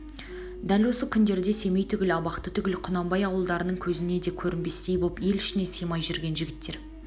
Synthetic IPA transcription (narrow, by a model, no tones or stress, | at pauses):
d̪ælwo̞səkʲʰʏnd̪e̞ɾd̪e̞se̞me̞jt̪ʰʏɡʲɪlɑbɑqt̪ət̪ʰʏɡʲɪlqʰʊnɑmbɑjɑwəlˠd̪ɑɾənəɴkʲʰɵzɪne̞d̪e̞kʲʰɵɾɪnbe̞st̪ejbo̞lˠpje̞lɪʃɪnesəjmɑjʒʏɾɡʲe̞nʒɪɡʲɪt̪ːe̞ɾ